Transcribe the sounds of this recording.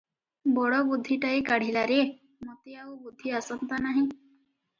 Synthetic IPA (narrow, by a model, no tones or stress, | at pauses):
bɔɽɔbud̪ʱːiʈaikaɽ̤ilaɾe | mot̪iawbud̪ʱːiasɔnt̪anaɦĩ